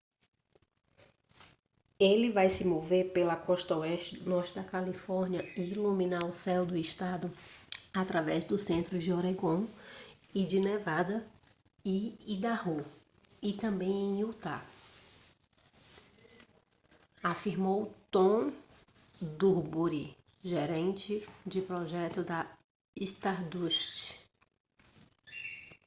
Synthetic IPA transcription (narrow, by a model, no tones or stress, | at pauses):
elɪvajsɪmoveɾpelɐkɔʃt̪ɐoɛʃt͡ʃɪd̪ʊnɔɾt͡ʃɪd̪ɐkalifɔɾniɐiːlumĩnaʊsɛwd̪ʊiʃt̪ad̪ʊat̪ɾavɛzd̪ʊsẽnt̪ɾʊd͡ʒɪoɾeɡõ | id͡ʒɪnevad̪ɐ | iid̪ahu | ɪt̪ɐ̃mbẽj̃ẽj̃iwt̪a̰ | afiɾmowt̪õ | d̪uɾbuɾi | ʒeɾẽnt͡ʃɪd͡ʒɪpɾɔʒɛt̪ʊd̪ɐ | ist̪aɾd̪uʃt͡ʃɪ̥